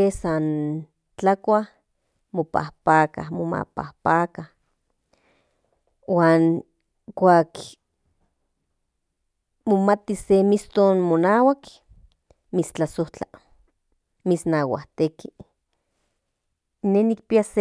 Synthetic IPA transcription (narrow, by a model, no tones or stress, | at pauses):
esan | t͡ɬakʷah | mopa̰hpaːka̰moma̰pa̰hpaːkah | waːn | kʷaːk | momat̪isemist̪onmonaːwak | mit͡st͡ɬasoht͡ɬa | misnawa̰ht̪eki | nehnikpias